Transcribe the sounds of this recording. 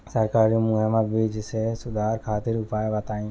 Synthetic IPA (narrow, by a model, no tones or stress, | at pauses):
sɐɾkaːɾimuɛmãbiːd͡ʒsesʊd̪ʱaːɾkʰaːt̪ɪɾʊpaːebɐt̪aːĩ